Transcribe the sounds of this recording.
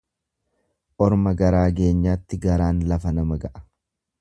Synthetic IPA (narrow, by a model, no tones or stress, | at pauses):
ʔɔɾmɐɡɐɾaːɡe̞ːɲːaːt̪ːɪɡɐɾaːnlɐfɐnɐmɐɡɐʔɐ̥